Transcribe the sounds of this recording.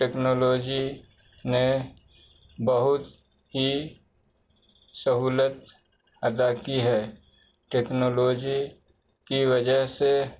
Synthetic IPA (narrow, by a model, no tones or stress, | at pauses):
ʈeːknoːloːd͡ʒi | ne | bəɦʊt̪ | ɦi | səɦuːlət̪ | əd̪akiɦɛː | ʈeːknoːloːd͡ʒi | kiʋɐd͡ʒəɦse